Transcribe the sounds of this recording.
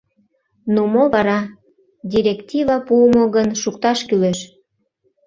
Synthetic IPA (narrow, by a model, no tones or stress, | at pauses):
numoβɑɾɑ | d̪ʲiɾʲektʲivɑpuəmoɣənʃukt̪ɑʃkyleʃ